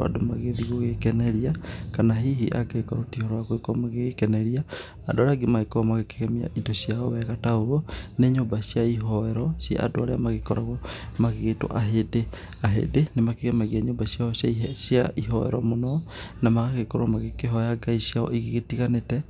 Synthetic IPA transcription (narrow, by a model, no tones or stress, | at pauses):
a̰domaɣeðiɣoɣekɛnɛɾiakanaɦiɦiʔa̰ɡaikɔɾotihɔɾɔwakoekɔmaɣeekɛnɛɾia | adoaɾeaɡemaekɔɔmaɣeke̥ɣɛmia̰ʔidɔsiaɔwɛɣataooneɲoːmbasiaiɦɔɛɾɔsja̰a̰doaɾeamaɣekɔɾaɣomaɣeɣeto̰ʔaɦede | aɦḛdenemakeɣɛmaɣiaɲoːmbasiaɔsjaiʃiaʔiɦɔɛ̰ɾɔ̰monɔnamaɣaɣekɔɾamaɣekeɦɔjaɡaisiaɔ̰ʔiɣeɣetiɣanetɛ